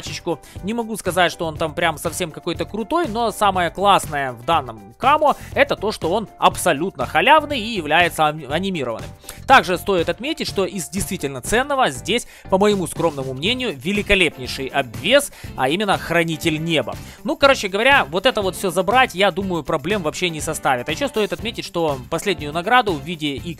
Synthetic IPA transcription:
t͡ɕɪt͡ɕkʊ | nʲɪmɐɡuskɐzatʲʂt̪oo̞nt̪ampɾʲamsɐfsʲe̞mkɐko̞jt̪əkɾʊt̪o̞jno̞saməjəklˠasnəjəvd̪anːəm | kamoɛt̪ət̪o̞ʂt̪o̞o̞nɐpsɐlʲut̪nəxɐlʲavnɨjijɪvlʲæjɪt̪səɐnʲɪmʲiɾəvənɨ̰mt̪aɡʐɨst̪o̞ɪt̪ɐt̪mʲetʲɪt̚ʲʂt̪o̞ʔɪzdʲɪjst̪vʲitʲɪlʲnət̪sɛnːəvəzʲdʲesʲ | pəməjɪmuskɾo̞mnəmʊmnʲenʲɪjʊvʲɪlʲɪkɐlʲepnʲɪjʂɨjɐbvʲesɐimʲɪnːəxrɐnʲitʲɪlʲnʲe̞bə̰ | nukɐɾo̞t͡ɕːɪɡəvɐɾʲavo̞t̪ɛt̪əvo̞t̪fsʲɵzɐbɾatʲjad̪uməjʊpɾɐblʲe̞mvɐpɕːe̞nʲɪsɐst̪avʲɪt̪ɐjɪɕːost̪o̞jɪt̪ɐt̪mʲetʲɪtʲʂt̪o̞pɐsʲlʲedʲnʲʊjʊnɐɡɾad̪ʊvvʲidʲɪi

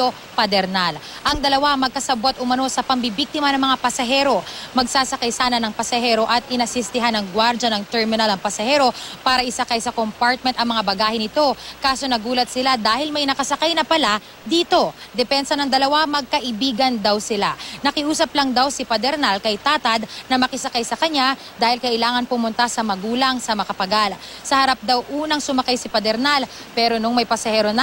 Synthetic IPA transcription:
t̪o | pɐd̪ɛɾnalʔɐŋd̪ɐlɐwamɐɡ̚kɐsɐbot̪̚ʔʊmɐno̞sɐpɐmbibik̚t̪ɪmɐnɐŋmɐŋapɐsɐɦɛɾo̞mɐɡsaːsɐkajsaːnɐnɐŋpɐsɐhɛɾo̞ʔɐt̪̚ɪnɐsɪst̪ɪɦanɐŋɡwaɾd͡ʒɐnɐŋt̪ɛɹmɪnɐlɐŋpɐsɐhɛːɾo̞paːɾɐʔɪsɐkajsɐkompaɹt̪̚mɛnt̪ɐŋmɐŋabɐɡaːhɪnɪt̪o̞kaːso̞nɐɡuːlɐt̪̚sɪlad̪aːhɪlmɐjnɐkɐsɐkajnɐpɐla | d̪iːt̪o̞d̪ɛpɛnsɐnɐŋd̪ɐlɐwamɐɡ̚kɐʔɪbiːɡɐnd̪awsɪlanɐkɪʔuːsɐplɐŋd̪awsɪpɐd̪ɛɾnalkɐjt̪aːt̪ɐd̪nɐmɐkɪsɐkajsɐkɐɲa | d̪aːhɪlkɐʔɪlaːŋɐnpʊmʊnt̪asɐmɐɡuːlɐŋsɐmɐkɐpɐɡal | sɐhɐɾap̚d̪ɐwʔuːnɐŋsʊmɐkajsɪpɐd̪ɛɾnal | pɛɾo̞nʊŋmɐjpɐsɐhɛːɾonɐ

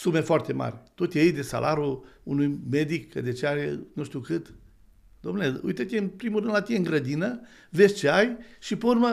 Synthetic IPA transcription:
sume̞foart̪e̞ma̰ɾʲt̪ut̪ʲjejd̪esa̰lʔaɾuunujme̞d̪ikːəd̪et͡ʃeaɾenuʃt̪iukɨt̪ | d̪̥omnuleṵjt̪ət̪ʲiɨnpɾimurɾɨnd̪lat̪ijeɨŋɡɾəd̪inə | ve̞sʲt͡ʃeajʃipeurmə

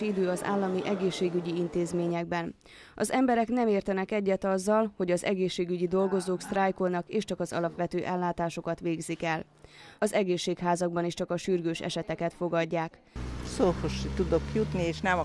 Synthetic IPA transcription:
id̪øːɒza̰ːlːɒmiʔɛɡeːʃːeːɡyɟiint̪eːzmeːɲɛɡ̚bɛn | ɒzɛmbɛɾɛknɛmeːrt̪ɛnɛkɛɟːɛt̪ɒzːɒlho̞ɟɒzɛɡeːʃːeːɡyɟid̪o̞lɡo̞zoːkst̪rajko̞lnɒkeːʃt͡ʃɒkɒzɒ̰lɒpʋɛt̪øːʔɛlːaːt̪aːʃo̞kɒt̪ʋeːɡzikɛl | ɒzɛɡeːʃːeːkɦaːzɒɡ̚bɒniʃt͡ʃɒkɒʃyrɡøːʃɛ̰ʃɛt̪ɛkɛt̪fo̞ɡɒɟːaːk | soːfoʃit̪ud̪o̞kjut̪nieːʃnɛmɒ

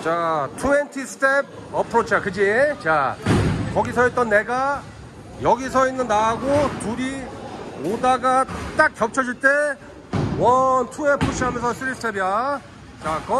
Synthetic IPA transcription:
t͡ɕatʰuentʰisʰɯ̥tʰep̚ | ʌpʰɯɾot͡ɕʰakɯd͡ʑit͡ɕa | kʌɡisʰʌit̚t͈ʌnːe̞ɡa | jʌɡis̬ʰʌinːɯnːaɡotuɾi | odaɡat͈ak̚kjʌp̚t͡ɕʰʌd͡ʑuɭt͈e̞ | wʌntʰue̞pʰuɕ͈ʰiɦamjʌnsʰʌs͈ʰɯɾisʰtʰebja | t͡ɕakʌ

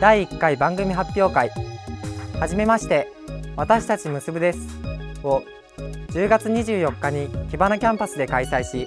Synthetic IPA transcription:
d̪aiːkːaibãŋɡɯ̟mʲiɦapʲjo̞ːkai | haʑime̞maɕi̥t̪e̞ | βat̪aɕi̥t̪at͡ɕimɯ̟sɨbɯ̟d̪e̞sɨ̥o̞ | d͡ʑɨːɡat͡sɨɲ̟iʑɨːjo̞kːaɲ̟ikʲibanakʲãmpasɨd̪e̞kaisaiɕi

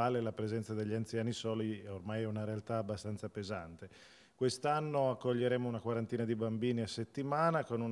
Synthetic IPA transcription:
aːlelapɾezɛnt̪sad̪eʎːiant̪sjaːnisɔːliɛormajɛunaɾealt̪aːbːast̪ant̪sapeza̰nt̪e | kwest̪anːoakːoʎːeɾeːmounakwaɾant̪iːnad̪ibambiːniasːet̪ːimaːnakonun

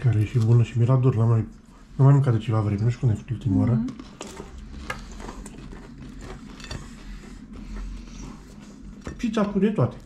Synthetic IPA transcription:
kaɾejeʃibunəʃimiɾad̪oɾnamaj | namajmɨŋkat̪d̪et͡ʃevavɾemʲeneʃkund̪ajfu̥t̪ult̪imaoɾə | t͡ʃit͡s̪at̪ud̪et̪oat̪e̥

